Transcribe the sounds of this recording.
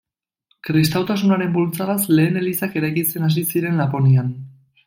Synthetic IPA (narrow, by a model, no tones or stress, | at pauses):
kɾis̬t̪awt̪as̬unaɾe̞mbolt͡saɣasle̞ːne̞lisake̞ɾajkit͡se̞nas̬isiɾe̞nlapo̞nian